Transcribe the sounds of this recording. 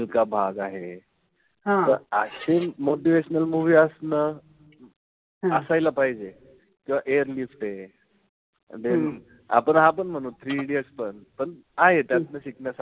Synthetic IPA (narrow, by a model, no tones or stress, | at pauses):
lkabʱaɡaɦe | ãt̪əɾəɕemoʈ̬iʋeɕənəlmuʋiəsnə | əsajlapaɦid͡ʑe | kĩw̃ʋaʔeəɾlifʈe | d̪en | a̰pəɳɦap̬əɳm̤əñuːnt̪ʰɾiɽiəspəɳpəɳ | aɦet̪jat̪nəɕiknjasa